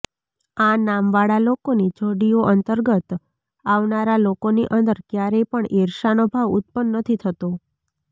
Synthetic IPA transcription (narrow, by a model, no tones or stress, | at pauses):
anamʋaɽalokonid͡ʒoɽijoʔənt̪əɾɡət̪ | aʋnaɾalokoniʔənd̪əɾkjaɾepəɳiɾʃanobʱaʋut̪̚pənːət̪ʰit̪ʰət̪o